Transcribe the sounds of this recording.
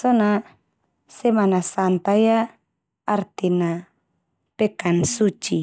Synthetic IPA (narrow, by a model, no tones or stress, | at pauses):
sɔna | sɛmanasant̪ajaː | rt̪ina | pɛkansut͡ʃi